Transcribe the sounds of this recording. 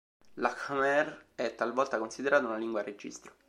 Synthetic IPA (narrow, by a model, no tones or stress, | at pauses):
lakamɛrɛt̪ːalvɔlt̪akonsid̪eɾaːt̪aunaliŋɡwared͡ʒḭst̪ɾo